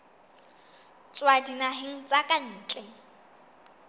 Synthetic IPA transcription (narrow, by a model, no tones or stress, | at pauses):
t͡sʼwadinaɦɪŋ̩t͡sʼakʼan̩ːt͡ɬʼɛ